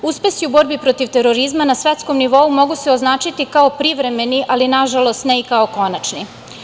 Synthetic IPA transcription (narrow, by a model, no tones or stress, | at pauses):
uspe̞siubo̞ɾbipɾot̪iʋt̪e̞ɾo̞ɾizmanasʋet̪sko̞mniʋo̞umo̞ɡuseoznaːt͡ʃit̪ikaopɾiʋɾe̞me̞niʔalinaʒalˠo̞st̪neikao̞ko̞nat͡ʃni